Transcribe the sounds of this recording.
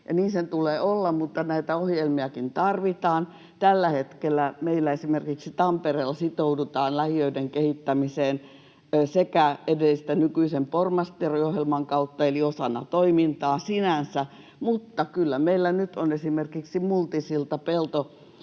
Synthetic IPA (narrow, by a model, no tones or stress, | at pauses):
jɑ̰niːnsent̪uleːolːɑmmut̪ːɑnæit̪æohjelmiɑkint̪ɑrʋit̪ɑːn | t̪ælːæhet̪kelːˑæmeilːæesimerkiksit̪ɑmpereːlːɑsit̪oudut̪ɑːnlæhiøideŋkehit̪ːæmiseːn | sekæedelːist̪ænykyisempormɑst̪ierojohjelmɑŋkɑut̪ːɑeliosɑnːˑɑ̰t̪oimint̪ɑːsinænsæ | mut̪ːɑkylːæmeilːænyt̪onesimerkiksimult̪isilt̪ɑpelt̪o